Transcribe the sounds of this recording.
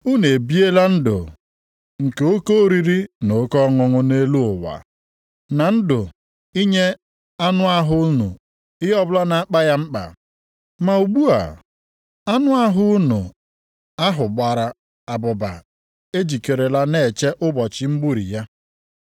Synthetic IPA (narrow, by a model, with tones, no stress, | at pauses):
u˦ne˨bi˦e˦la˦n̩˦dʊ̰˨ | ŋ̩˨ke˨o˦ko˦ɾi˦ɾi˦no˨˦kɔ˦ŋʊ˦ŋʊ˦ne˦lu˦ʊ˨wa̰˨ | na˨n̩˦dʊ˨ | i˦ɲe˦ | a˦nʊ˦a˦ɦʊ˦ʊ˦nṵ˨ | ɪ˦ɦɔ˦bʊ˦la˦na˨˦k͡pa˦ja˦ŋ͡m̩˦k͡pa̰˨ | ma˨u˨ɡ͡bu˦a̰˨ | a˦nʊ˦a˦ɦʊ˦u˦nʊ̰˨ | a˦ɦʊ˨ɡ͡ba˨ɾa˨ | a˨bʊ˨ba̰˨ | e˦d͡ʒi˨ke˨ɾe˨la˦ne˦˨t͡ʃe˦ʔʊ˦bɔ˨t͡ʃɪ˨m̩˦bu˦ɾḭ˨ja˦